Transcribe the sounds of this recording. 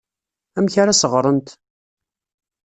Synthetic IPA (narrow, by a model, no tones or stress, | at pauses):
æmçaɾasəʁɾˤənt̪